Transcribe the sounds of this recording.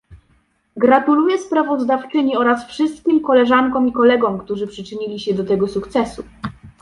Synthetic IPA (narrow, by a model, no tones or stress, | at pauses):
ɡɾat̪ulujɛspɾavɔzd̪aft͡ʂɘɲiɔɾasfʂɘst̪̚kʲimkɔlɛʐaŋkɔ̃wmikɔlɛɡɔ̃wkt̪uʐɘpʂɘt͡ʂɘɲilʲiɕɛd̪ɔt̪ɛɡɔsukt̪sɛsu